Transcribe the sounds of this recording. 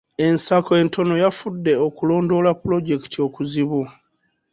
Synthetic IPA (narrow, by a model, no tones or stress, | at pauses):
e̞nsakoe̞ntʰo̞no̞jafudːe̞okulo̞ːndo̞lapːulo̞ɟe̞ki̥tio̞kuziβu